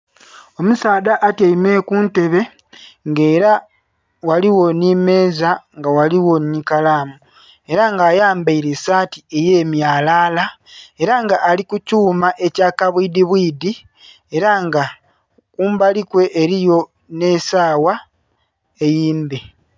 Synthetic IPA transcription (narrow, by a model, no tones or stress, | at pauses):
o̞musaːdaʔːtaimeːkuːnte̞βe̞ | ŋɡeːɾa | waliwo̞nime̞ːzaŋɡawaliwo̞nikalaːmu | e̞ɾaŋɡaːjaːmbaiɾesaːtie̞je̞ːmjaːlaːla | e̞ɾaŋɡaʔːlikucuːmaʔe̞caːkaβwiːdiβwiːdi | e̞ɾaŋɡa | kuːmbalikwe̞ʔːɾijo̞ | ne̞saːwa | e̞jiːmbe̞